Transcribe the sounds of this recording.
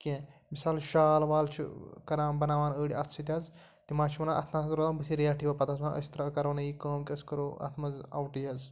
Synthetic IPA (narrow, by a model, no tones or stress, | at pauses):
kʲẽmisaːlʃaːlʋaːlt͡ʃʰḭkɐɾãːnbɐnaːʋaːnəːɽiɐt̪ʰt͡ʃʰit̪ʲɐz | t̪imaːt͡ʃʰiʋɐnaʔɐ̰t̪ʰnaːszɾozaːbɨsiɾijaːʈʰiːʋɐpɐt̪ɐs̬ɐnə̰sʲt̪ɐɾaːkɐɾʋɐnɐjiːkɐːmkʲɐskɐɾoːɐ̰t̪ʰmɐzɐ̰wʈijɐz